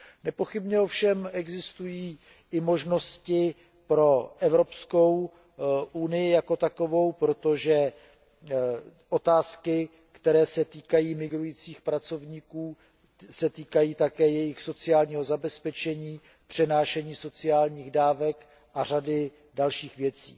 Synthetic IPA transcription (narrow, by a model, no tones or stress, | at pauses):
nɛpo̞xɪbɲɛofʃɛmɛɡzɪst̪ujiː | ʔɪmo̞ʒno̞scɪ | pɾo̞ʔɛvɾo̞psko̞w | ʔunɪjɪjako̞t̪ako̞vo̞wpɾo̞t̪o̞ʒɛ | ʔo̞t̪aːskɪ | kt̪ɛɾɛːsɛt̪iːkajiːmɪɡɾujiːt͡siːxpɾat͡so̞vɲiːkuː | sɛt̪iːkajiːt̪akɛːjɛjɪxso̞t͡sɪjaːlɲiːɦo̞zabɛspɛt͡ʃɛɲiː | pr̝̥ɛnaːʃɛɲiːso̞t͡sɪaːlɲiːɣdaːvɛk | ʔar̝adɪ | dalʃiːxvjɛt͡sḭː